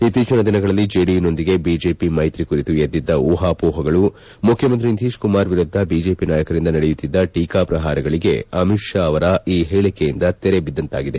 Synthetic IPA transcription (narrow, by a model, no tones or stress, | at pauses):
it̪ːiːt͡ʃɐnɐd̪inɐɡɐɭɐlːid͡ʒeːɽino̞nd̪iɡe̞biːd͡ʒe̞ːpimɐjt̪ɾikuɾit̪ujed̪ːid̪ːɐuːɦaːpuːɦɐɡɐɭu | mukʰjɐmɐnt̪̬ɾint̪iːʃkumaːɾʋiɾud̪ʱːɐbiːd͡ʒe̞ːpinaːjɐkɐɾind̪ɐnɐɽejut̪ːid̪ːɐʈiːkaːpɾɐɦaːɾɐɡɐɭiɡe̞̰ɐmiʂjɐːʋɐɾɐiːɦeːɭikejind̪ɐt̪ɛɾe̞bid̪ːɐnt̪a̰ːɡid̪e̞